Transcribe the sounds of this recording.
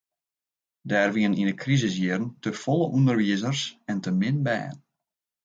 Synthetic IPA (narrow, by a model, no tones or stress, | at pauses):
dɛːrʋiəninəkrizɪs̬jiərən̩təfɔlˠəʔundərʋiəzərsɛntəmɪnbɛ̰ːən